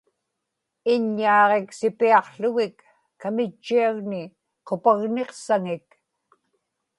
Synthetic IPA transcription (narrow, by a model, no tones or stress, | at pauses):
ɪɲːɑːʁe̞ksɪpiɑqɬʊɣɪkː | amɪt͡ʃːiaɣnɪ | qopaɣne̞qsaŋɪk